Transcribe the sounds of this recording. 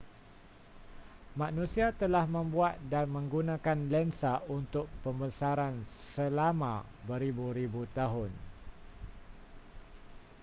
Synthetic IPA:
mãʔnũsiat̪əlahmə̃mbuat̪̚danmə̃ŋɡunãkanlɛnsaunt̪ʊk̚pəmbəsaɾansəlamã̰bəɾibuɾibut̪aɦʊn

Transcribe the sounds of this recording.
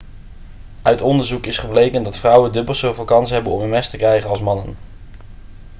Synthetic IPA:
œɥtɔndəɹzukɪsχəblejkəndɑtfrʌwəndɵbəlˠsowvɪːlˠkɑnsɦɛbənɔ̰mənmɛstəkrɛjχənɑlˠsmɑnən

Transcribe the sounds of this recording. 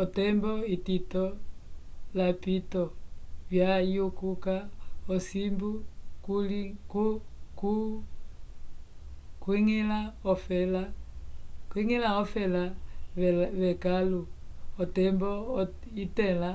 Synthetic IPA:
ɔtɛmbɔititɔ | lapitɔvjaiokukaɔsimbukulikuku | kwiŋilaɔfɛla | kwiŋilaɔfɛla | βɛkaluɔtɛmbɔ | itɛla

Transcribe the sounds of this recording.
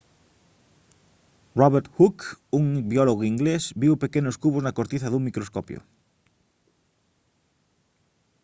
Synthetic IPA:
rɔβeɾt̪xukuŋbioloɣoiŋɡlesbiwpekenoskuβoznakoɾt̪iθaðuŋmikɾoskopjo̰

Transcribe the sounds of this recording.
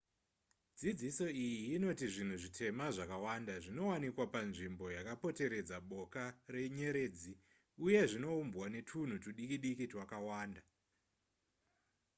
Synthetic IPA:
d͡zid͡ziso̞ijiːno̞tiʐin̤uʐitʰe̞maʐakawandaʐino̞wanikwapanʐimbo̞jakapo̞te̞ɾe̞d͡zaɓo̞kare̞ɲe̞ɾe̞ːd͡zi | uje̞ʐino̞umbwane̞tʰun̤utuɗikiɗikitwakawaːnda

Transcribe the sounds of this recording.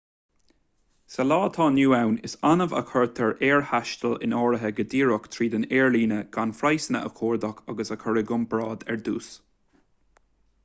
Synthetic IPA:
səlɑːt̪ʰɑːnuːawnɪ̰sanəvə̰kʰəɹt̪ʰəɹeːɹhaʃt̪əlɪ̰nɔːɹəɦəɡəd̪iːɹʊkt̪ʰɹiːd̪əneːɹliːnəɡ̥anfɾajsənəʔə̰kʰoːɹd̪ɔkʰaɡəsəkʰəɹɪɡʊmbɹɑːd̪ɛ̰ɹd̪uːs

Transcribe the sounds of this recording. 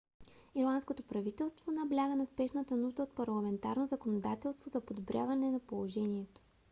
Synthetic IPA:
iɾlˠanskot̪opɾɐvit̪ɛlˠst̪vonɐblʲaɡənɐspɛʃnət̪ənuʒd̪əot̪̚pɐɾlˠɐmɛnt̪aɾnozɐkonod̪at̪ɛlˠst̪vozɐpod̪obɾʲjavɐnɛnɐpolˠoʒɛniɛt̪o̥

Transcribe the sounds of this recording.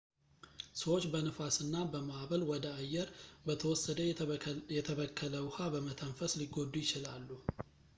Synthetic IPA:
səwo̞t͡ʃːbənɨfasɨnːabəmaβəlwɔd̪əajːɛɾbət̪ʰəwɔsːəd̪əjɛt̪ʰəkʰːələwʊhabəmət̪ʰəɱfəsliɡod̪ːujɪt͡ʃɪlalːu

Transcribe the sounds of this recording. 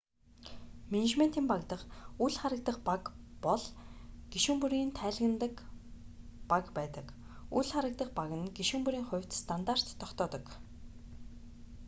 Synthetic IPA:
menet͡ɕment̪iːmpakt̪ə̆χuɮχaɾə̆k̚t̪ə̆χpakpɔɮɡ̥iʃuːmpuɾiːnt̪ʰæːɮɣɘ̆nt̪ə̆k | pakpæːt̪ə̆k | uɮχaɾə̆k̚t̪ə̆χpaɣə̆nɡiʃŭmpuɾiːŋχʊ̟wʲt̪st̪ʰant̪ar̥t̪ʰːɔkt̪ɔːt̪ɞ̆k

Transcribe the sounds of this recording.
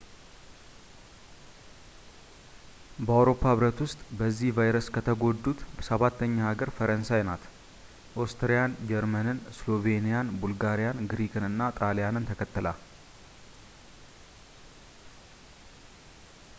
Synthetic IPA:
bəawɾo̞pʰːahɨβɾət̪wʊst̪ʼbəzːihvajɾəskʰət̪ʰəɡo̞d̪ːut̪bəsəβat̪ːəɲːaaɡəɾfəɾənsajnat̪ | ʔost̪ʰɾijand͡ʒɛɾmənɨnslo̞ve̞nijanbulɡaɾijanɡɾikʰɨnɨnːat̪ʼalijanɨnt̪ʰəkʰət̪ːɨla̰

